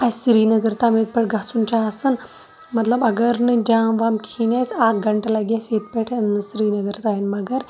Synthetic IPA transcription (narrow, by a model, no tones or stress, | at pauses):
ɐsɾiːnɐɡɐɾt̪amet̪̚pɐʈɡɐsunt͡ʃaːsɨn | mɐt̪lɐbɐɡɐɾnɨd͡ʒaːmʋaːmkinʲaːsaːkɡɐɳʈɐlɐɡjaːseːt̪̚peʈʰɨsɾiːnɐɡəɾt̪aːɦinmɐɡɐɾ